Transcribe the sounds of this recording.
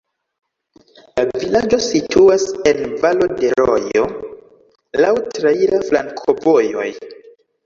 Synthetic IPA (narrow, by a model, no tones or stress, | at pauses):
lavilad͡ʒo̞sitʰuase̞nvalo̞de̞ɾojo̞̰ | lawtɾeilaflaŋkʰo̞vo̞jo̞̰j